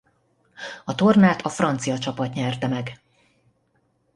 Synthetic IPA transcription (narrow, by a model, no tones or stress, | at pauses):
ɒt̪o̞rnaːt̪ʰɒfrɒnt̪sijɒt͡ʃɒpɒt̪ɲɛrt̪ɛmɛɡ